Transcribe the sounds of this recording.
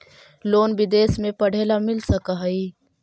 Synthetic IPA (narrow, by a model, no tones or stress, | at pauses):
loːnbɪd̪eːsmẽpɐɽ̤ʱeːlamɪlsɐkaɦɐiː